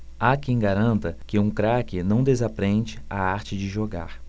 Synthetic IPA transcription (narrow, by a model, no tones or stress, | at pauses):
akẽj̃ɡaɾɐ̃nt̪ɐkɪũkɾakɪnɐ̃w̃d̪ezapɾẽnt͡ʃɪaaɾt͡ʃɪd͡ʒɪʒoɡa̰ɾ